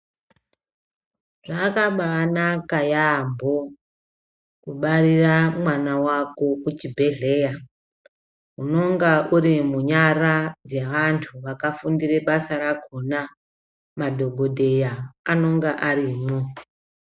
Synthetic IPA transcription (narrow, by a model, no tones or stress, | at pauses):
ʐaːkaɓaːnakajambʱo | kuɓariramwanawako̞kut͡ʃibʱe̞ɮe̞ːja | uno̞ŋɡauɾimuɲarad͡zeʋantʰuʋakafundire̞ɓasaɾakona | madʱo̞ɡʱo̞dʱe̞jaano̞ŋɡaʔaɾiːmo